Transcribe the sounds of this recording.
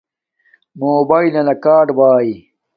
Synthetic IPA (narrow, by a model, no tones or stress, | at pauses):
moːbaːilɐnɐkaːɖbaːi